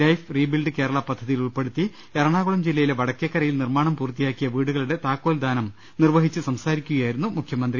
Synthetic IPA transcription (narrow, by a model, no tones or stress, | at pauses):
ɐjfriːbilɖɨke̞ːɾɐɭɐpɐd̪ʱːɐðijiluɭpe̞ɽut̪ːi | eɾɐɳaːɣuɭɐmd͡ʑilːɐjileʋɐɽɐkːekːɐɾɐjilnirmaːɳɐmpuːrt̪ːijaːkːijɐʋiːɽuɣɐɭuɽe̞t̪aːkːo̞ːld̪ʱaːnɐm | nirʋɐɦit͡ɕːɨsɐmsaːɾikʲːuɣɐjaːjiɾunːumukʰjɐmɐnd̪ri